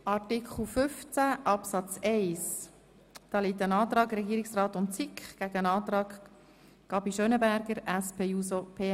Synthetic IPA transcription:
ʔɑɾtikχl̩ˠfʏft͡sæʔɑpsɑt͡sɛɪs | d̥ɑːliːtənɑːt̪ɾɑːɡɾɛɡiːɾɪksrɑːtʊntt͡sikχɡ̥æɡəənɑːt̪ɾɑːɡ | ɡ̥ɑbiʃœnəbæɾɡ̥əɾæspʰeːuːsopʰeː

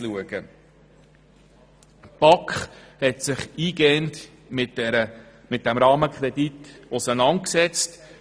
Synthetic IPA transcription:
luəɡ̥ə | pɑkχhɛtsɪχiːɡɛnt | mɪtɾə | mɪt̚d̥æmɾɑːməkʰɾɛditʊsənɑnt̚ksɛt͡st

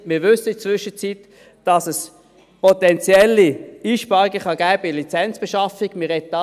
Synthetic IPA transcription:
mɪːʋʏsəɪdət͡sʋʏʃət͡sitː | d̥ɑsəs | pʰɔtɛnt͡sjɛlːiiːʃpɑʁiɡəχɑɡæːb̥əlit͡sɛnt͡sb̥ɛʃɑfiɡ̥mɪɾɛt̚dɑ

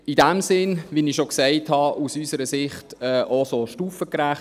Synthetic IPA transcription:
idæmsɪnʋiniʃoksɛɪthɑusysəɾəsɪχtɛːʔosoʃtuːfəkɾæχ

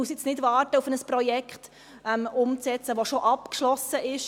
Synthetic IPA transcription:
uəst͡snɪdvɑːrtəufənəspɾɔjɛkχt | ɛmʊmt͡sɛt͡səʋoʃoʔɑpkʃlɔsəʔɪʃ

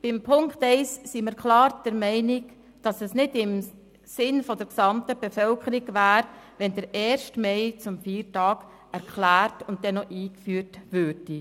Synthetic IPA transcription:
b̥ɪmpʰʊŋktɛɪsːiməɾkʰlɑːɾd̥əɾmɛɪnɪk | d̥ɑsɛsnɪdɪm | sɪnfɔdəɾksɑmtəb̥efœlkʰəɾiɡvæːɾʋɛndəɾɛːɾʃtmɛɪt͡sʊmfiːɾtɑːɡ | ɛɾkʰlæːɾtʊnt̚dɛnɔʔiːkfyːɾtvøːɾd̥i

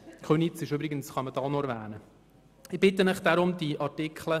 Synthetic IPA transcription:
kʰχønit͡sɪʃøbɾɪɡənsχɑmədɑːnɔɛɾvæ̰ːnə | ɪb̥ɪt̪ənəχd̥̪aɾʊmdiʔɑrtɪkχlə

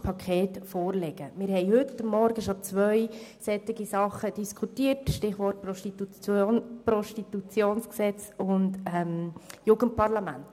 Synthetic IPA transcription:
pʰɑkχeːtfɔːɾlɛɡ̥əmɪɾhɛɪɦʏtːəmːɔɾɡəʃot͡sʋœʏsɛtɪɡisɑχəd̥iskʰutiːətʃtɪχʋɔrt̚pɾɔʃtit̪u | pɾɔʃtit̪ut͡sjoːnsksɛt͡sʊndɛmjuːɡ̥ənt̚pɑɾlɑmænt

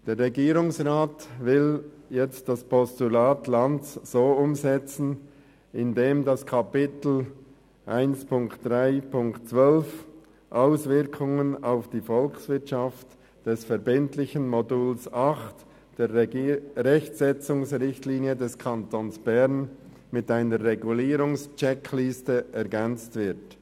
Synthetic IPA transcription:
d̥eːʁʁɛɡiːɾʊŋsʁaːtvɪl | jɛt͡st̚d̥aspʰɔstulaːtlantt͡sz̥oːʊmzɛt͡sn̩ | ɪndeːmdaskʰapɪtl̩ | ʔaɪnspʰʊŋktd̥ʁaɪpʰʊŋktt͡svœlf | ʔaʊsvɪʁkʰʊŋənaʊfd̥iːfɔlksv̥ɪɐtʃɑft | d̥ɛsfɛɾbɪntlɪçənmoduːlsɑxt | d̥eː | ʁɛçtsɛt͡sʊŋsʁɪçtliːnjədɛskʰɑntonsb̥ɛʁn | mɪtaɪnəɾʁːɛɡuliːɾʊŋst͡ʃɛkʰlɪstəɛɐɡɛnt͡stv̥ɪɐt

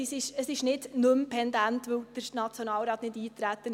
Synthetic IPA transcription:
ɪsɪʃəsɪʃnɪd̥nɵmpʰɛndæntʋɵwd̥əɾnɑt͡sjɔnɑːlɾɑːt̪nɪdiːt̪ɾæt̪ːən

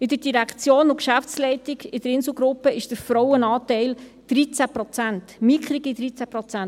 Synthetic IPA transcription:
ɪd̪əɾdiɾækʰt͡sjoːnʊkʃæft͡slɛɪtiɡɪdəɾɪnsl̩ˠɡɾʊpːəɪʃd̥əɾfɾɔwənɑːtɛɪl | d̥ɾit͡sæpɾɔt͡sæntmikʰɾiɡid̥̪ɾit͡sæpɾɔt͡sæn

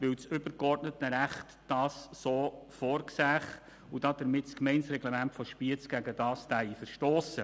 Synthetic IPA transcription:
ʋɪwt͡sʏb̥əɾkɔɾtnətəɾæχt | d̥ɑːsːoːfoːɾksæːχ | ud̥ɑd̥əɾmɪtskmɛɪnsɾɛɡlemæntfɔʃpiət͡sɡ̥æɡədɑːstæifəɾʃtɔːsə

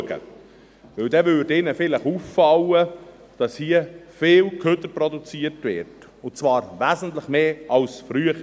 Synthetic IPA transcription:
ɡə̰ | ʋɵwdɛʋʏːdɪnəfɪləχuːfːɑwə | d̥ɑshiːəfɪːlkʰøt̪əɾpɾɔdut͡siətvɪ̰ɾt | ʊt͡sʋɑːɾʋæzən̩tləχmeːʔɑwsfɾyəχ

